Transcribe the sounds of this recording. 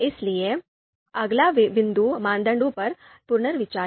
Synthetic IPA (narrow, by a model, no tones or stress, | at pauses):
ɪslie | ɐɡlaʋɪ̃nd̪umãːnd̪ə̃ɳɖõpɐɾ | pʊɾɳəɾʋɪt͡ʃaː